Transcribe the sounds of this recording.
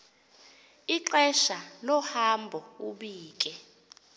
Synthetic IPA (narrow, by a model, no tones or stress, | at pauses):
iǃɛʃalɔhambʱɔuɓiːk̬ʼɛ